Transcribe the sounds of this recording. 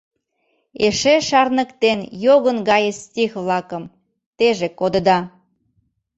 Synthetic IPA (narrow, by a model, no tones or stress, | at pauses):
eʃeʃɑrnə̆kt̪enjoɣənɡɑjəstʲixβlɑkə̆m | t̪eʒekod̪ə̆d̪ɑ